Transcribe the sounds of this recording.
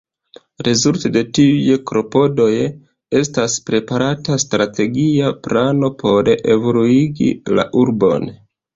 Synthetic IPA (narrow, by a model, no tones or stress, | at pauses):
ɾezultede̞tiujekɾo̞po̞do̞j | e̞staspɾe̞paɾatastɾate̞ɡiaplano̞pʰo̞ɾeʔe̞voluiɡḭla̰ʔuɾbo̞̰n